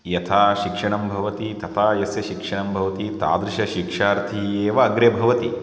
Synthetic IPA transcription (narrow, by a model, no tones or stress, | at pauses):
jɐt̪ʰaːʃikʂɐɳɐmbʱɐʋɐt̪it̪ɐt̪ʰaːjɐsjɐʃikʂɐɳɐmbʱɐʋɐt̪it̪a̰ːd̪ɾiʃɐʃikʂaːɾt̪ʰieːʋɐːɡɾebʱɐʋɐt̪i